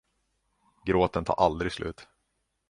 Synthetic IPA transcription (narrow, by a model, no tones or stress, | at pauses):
ɡɾoːt̪ənt̪ʰɑ̰ːɾʔald̪ɾɪɡslʉ̟ːt̪